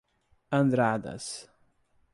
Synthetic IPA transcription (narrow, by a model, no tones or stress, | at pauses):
ɐ̃nd̪ɾad̪ɐ̰s